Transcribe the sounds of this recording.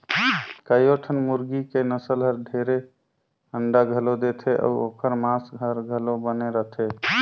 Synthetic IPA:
kəjoʈʰənmuɾɡikenəsəlɦəɾd̪ʱeɾe | əɳɖaɡʱəlod̪et̪ʰɛʔɔ̰uokʰəɾmasɡʱəɾɡʱəlobəneɾəɦt̪ʰe

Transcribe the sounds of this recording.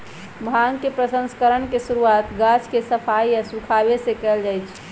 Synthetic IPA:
bʱaŋɡkepɾəsə̃nskəɾəɳkesuɾuaːt̪ɡat͡ʃʰkesəpʰaijasukʰabesekɛld͡ʒaːjt͡ʃʰ

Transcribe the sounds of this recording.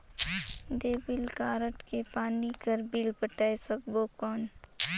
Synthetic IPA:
d̪eːbɪlkaːɾəʈ̪kepaːnikəɾbiːlpəʈaːesəkbokɔːn

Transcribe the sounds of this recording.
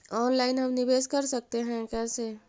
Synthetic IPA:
ɔːnlaːɪnɦəmnibeskəɾsək̚t̪eɦɛ̃kɛːse

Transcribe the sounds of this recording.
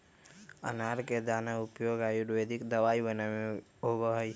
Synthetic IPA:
ə̰naɾked̪aːnaʊpjoɡajuɾweːd̪ʱikd̪əʋaibənae | ɦoɡəɦj

